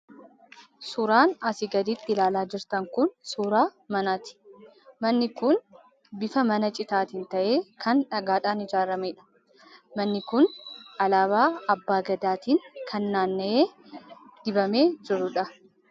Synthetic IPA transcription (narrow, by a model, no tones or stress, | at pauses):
sʊɾaːnɐsɪɡɐd̪it̪ːɪlaːlaːd͡ʒɪɾt̪ɐŋkʊnsuːɾaːmɐnaːt̪ɪ̥ | mɐnːɪkʊn | bɪfɐmɐnɐt͡ʃʼɪt̪aːt̪ɪnt̪ɐʔeːkʰɐnᶑɐɡaːᶑaːnɪd͡ʒaːɾɐmeːᶑɐ̥ | mɐnːɪkʊnʔɐlaːβaːɐbːaːɡɐd̪aːt̪iːŋkʰɐnːaːnːɐʔeː | d̪̥ɪbɐme̞ːd͡ʒɪɾːʊᶑɐ